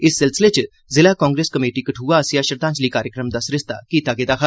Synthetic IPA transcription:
ɪsːɪlsɪlet͡ʃ | zɪlakɔ̃ːŋɡɾeːskɐmeːʈikɐʈʰuːasjaːʃɐɾd̪ãːɲt͡ʃliːkaːɾjəkɾəmd̪asɾɪst̪a̰kit̪aːɡeːd̪aːkʰa

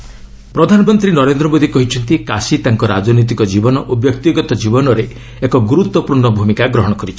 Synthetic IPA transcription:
pɾɔd̪ʱanɔmɔnt̪ɾinɔɾend̪ɾɔmod̪ʱikɔɦit͡ʃʰɔnt̪ikasit̪aŋkɔɾad͡ʒɔnɔit̪̬ikɔd͡ʒibɔnɔʔobjɔkt̪iɡɔt̪ɔd͡ʒibɔnɔɾe | ekɔɡuɾut̪wɔpuɾɳɔbʱumikaɡɾɔɦɔɽ̃ɔkɔɾit͡ʃʰi̥

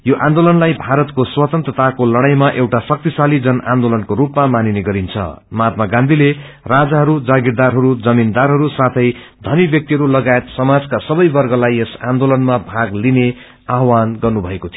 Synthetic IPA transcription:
joʔãnd̪olʌnlajbʱaɾʌt̪koswʌt̪ʌnt̪rʌt̪ʰakolʌɽ̃ajmaʔewʈasʌk̚t̪isalid͡zʌnʔa̰nd̪olʌnkoɾupmamanineɡʌɾint͡sʰʌ̰ | mat̪mʌɡãnd̪ʱile | rad͡zaɦʌɾud͡zaɡiɾd̪arɦʌɾud͡zʌmind̪arɦʌɾusat̪ʰʌjd̪ʱʌnibjʌk̚t̪iɦʌɾulʌɡaet̪sʌmad͡zkasʌbʌjbʌrɡʌlajesãnd̪olʌnmabʱaɡline | aɦwanɡʌrnubʱʌekot̪ʰi

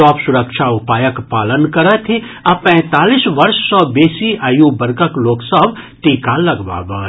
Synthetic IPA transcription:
ɔːpsʊɾəkʃʰaʊpaːjəkpaːlənkɐɾət̪ʰi | ɐpɛ̃ːt̪aːliːsʋɐɾʃsɔ̃ːbeːsiajubɐɾɡəkloːksəbt̪iːkalɐɡba̰ːbə

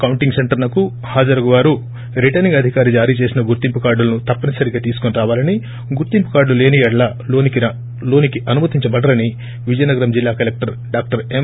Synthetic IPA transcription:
kɐwuɳʈiŋɡseɳʈɐɾlɐku | haːd͡ʒɐɾɐɡuʋaːɾu | ɾiʈɐɾniŋɡɐd̪ʱikaːɾid͡ʒaːɾiːt͡ʃe̞ːsinɐɡuɾt̪impukaːɾɖulɐnut̪ɐpːɐnɐsɐɾiɡaːt̪iːsu̥koniɾaːʋaːlɐni | ɡuɾt̪impukaːɾɖlule̞ːnijɐɽlɐ | loːnikiɐ | lo̞ːnikiʔɐnumɐt̪iɲt͡ʃɐbɐɖɐɾɐni | ʋid͡ʒɐjɐnɐɡɐɾɐmd͡ʒilːaːkɐlek̚ʈɐɾ | ɖaːk̚ʈɐɾem

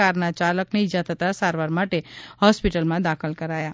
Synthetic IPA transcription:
aɾnat͡ʃaləkneid͡ʒat̪ʰət̪asaɾʋaɾmaʈehɔspiʈəlmãd̪akʰəlkəɾaja

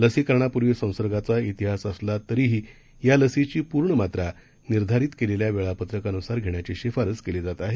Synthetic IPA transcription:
ləsikəɾɳapuɾʋisə̃w̃səɾɡat͡sait̪iɦasəslat̪əɾiːɦi | jaləsit͡ɕiːpuɾɳəmat̪ɾa | niɾd̪ʱaɾiːt̪keleljaʋeɭapət̪ɾəkanusaɾɡʱeɳjat͡ɕeɕefaɾət͡skeled͡zat̪aɦe

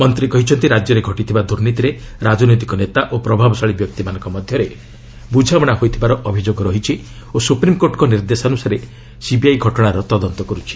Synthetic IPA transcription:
mɔnt̪ɾikɔɦit͡ʃʰɔnt̪iɾad͡ʒjɔɾeɡʱɔʈit̪ʰibad̪uɾnit̪iɾeɾad͡ʒɔnojt̪i̥kɔnet̪aʔopɾɔbʱabɔsaɭibjɔk̚t̪imanɔŋkɔmɔd̪ʱjɔɾe | bud͡ʒʱabɔɽ̃aɦojt̪ʰibaɾɔʔɔbʱid͡ʒoɡɔɾɔɦit͡ʃʰi | osupɾimkoɾʈɔkɔniɾd̪esɔnusaɾe | sibiajɡʱɔʈɔɽ̃aɾɔt̪ɔd̪ɔnt̪ɔkɔɾut͡ʃʰi̥

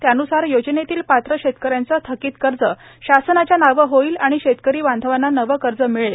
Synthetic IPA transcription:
t̪janusaɾjod͡ʑnet̪iːlpat̪ɾəɕet̪kəɾjant͡sət̪ʰəkiːt̪kəɾd͡zəɕasənat͡ɕjanaʋəɦoiːlaɽ̃iɕet̪kəɾiːʋand̪ʱəʋanːanəʋəkəɾd͡zəmiɭe

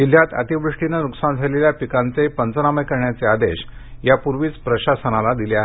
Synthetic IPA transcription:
ɦil̤jat̪ə̰t̪ibɾuʂʈinənuksand͡zʱaleljapikãnt͡sepənt͡sənaməjkəɾɳjat͡sead̪eɕjapuɾʋiːt͡spɾəɕasənalad̪ileaɦe

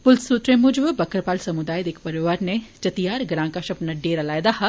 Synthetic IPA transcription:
pʊlsuːt̪ɾẽmʊd͡ʒbbɐkɾpaːlsɐmud̪aːjd̪eːkpɐɾɪʋaːɾnet͡ʃɐt̪ijaːɾɡɾãːŋkaʃɐpnɐɖeːɾɐlaːjd̪aha

